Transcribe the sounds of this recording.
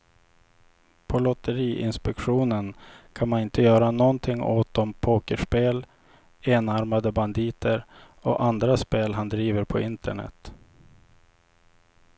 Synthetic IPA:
pʰɔlɔt̪əɾiːʔɪ̰nspɛkɧuːnənkʰanmanɪnt̪əjœːɾanɔnt̪ʰɪŋːo̰ːt̪̚d̪ɔmpʰoːkəʂpeːl | eːnaɾmad̪əband̪iːt̪ʰəɾ | ɔ̰ʔand̪ɾaspeːlɦand̪ɾiːvəɾpʰɔɪnt̪əɳɛ̰t̪

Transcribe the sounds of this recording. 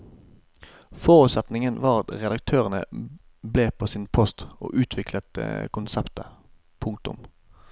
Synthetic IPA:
foːʁʉːt̪sɛt̪nɪŋənʋɑːʁɑt̪ʁɛd̪ɑk̚t̪ʰøːʁənə̰ | bleːpʰoːsiːnpʰɔst̪o̰ːʔʉːt̪ʰʋɪkʰlət̪kʊnsɛpt̪ə | pʰʊŋk̚t̪ʊ̰m

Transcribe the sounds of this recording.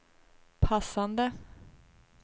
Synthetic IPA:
pʰasːand̪ə

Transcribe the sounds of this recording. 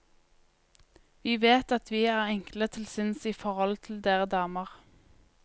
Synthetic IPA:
ʋiːʋeːt̪ɑt̪ʰʋiːæːʁɛŋklət̪ʰɪlsɪnsiːfɔʁɔlt̪ʰɪld̪eːʁəd̪ɑːməʁ

